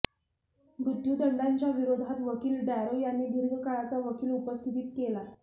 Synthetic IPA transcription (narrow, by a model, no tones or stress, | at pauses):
bɾud̪ʱːjuːd̪ʱəɳɖaɲt͡ɕjaʋiɾod̪ʱat̪ʋəkiːlbæɾojanːiːd̪iɾɡʱəkaɭat͡saʋəkʰiːlupəst̪ʰit̪iːt̪̚kela